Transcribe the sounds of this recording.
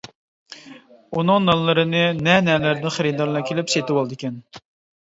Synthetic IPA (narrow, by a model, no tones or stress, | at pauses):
unɨŋnɑnlːˠɨɾɨnɨnɛnɛlæɾd̪ɪnχeɾɨd̪ɑɾlˠɑkʲʰelɪpset̪ɪwɑlˠɨd̪ɨkʲʰɛn